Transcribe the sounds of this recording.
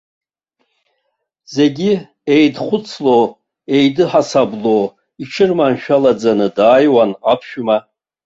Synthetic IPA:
ze̞ɡʲi | ejdχʷʊt͡sʰlo | e̞jdɨħasablo | iʈ͡ʂʰɨrmanʃᶣalad͡zanɨdaːjwanapʰʃᶣma

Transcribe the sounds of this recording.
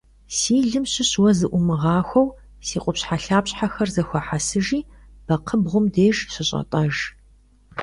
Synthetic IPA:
siːɮɨmɕɪɕwɐzɨʔʷʊmɨʁɑːxʷɔw | siːqʷʼʊpɕħaɬaːpɕʼħaxɐrzɐxʷɔħasɨʒiː | b̥ɐqʰəbʁʷʊmdeːʒɕɪɕʼɐ̰tʼɐʒ

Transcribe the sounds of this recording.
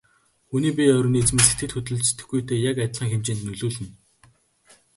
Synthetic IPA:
xuniːpʲiœɾʲʊːniːt͡smeːset̪ʰɘ̆t̪xɵt̪ɵ̆ɮt͡ɕe̥t̪ɘ̆xɡujt̪ʰeːjakæt̪ʲɮχiːŋxemt͡ɕeːnt̪nɵɮuːɮɘ̆n

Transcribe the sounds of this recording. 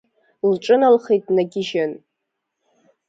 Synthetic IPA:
lʈ͡ʂʼɨnalχejtʼnaɡʲɪʒan

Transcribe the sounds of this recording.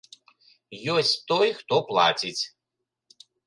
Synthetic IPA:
jɔsʲt̪ɔjxt̪ɔplˠa̰t͡sʲit͡sʲ

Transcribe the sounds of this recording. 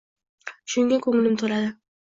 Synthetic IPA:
ʃʊŋɡʲakʰɵŋɪlɪmt̪ʰoɾad̪ɪ

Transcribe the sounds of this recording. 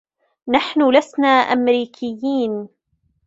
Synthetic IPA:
naħnʊlasnaːʔa̰mɾiːkʰɪjːiːn

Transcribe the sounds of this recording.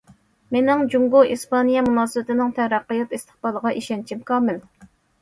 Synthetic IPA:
menɪŋd͡ʒuŋɡuispɑnijɛmunɑːsɨbɪt̪ɪnɪŋt̪ʰæɾæqːəjɑt̪ist̪ʰə̥χbɑlˠəʁɑʔiʃɛnt͡ʃʰimkʰɑːmɪl

